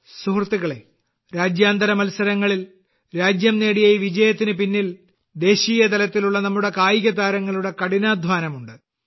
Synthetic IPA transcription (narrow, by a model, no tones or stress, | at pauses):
suɦrt̪ːiɣɐɭe̞ | ɾaːd͡ʑjaːnd̪ɐɾɐmɐlsɐɾɐŋːɐɭil | ɾaːd͡ʑjɐmneːɽijɐjiʋid͡ʑɐjɐt̪ːinɨpinːil | d̪e̞ːɕiːjɐt̪ɐlɐt̪ːiluɭːɐnɐmːuɽe̞kaːjiɣɐt̪aːɾɐŋːɐɭuɽe̞kɐɽinaːd̪ʱʋaːnɐmuɳɖɨ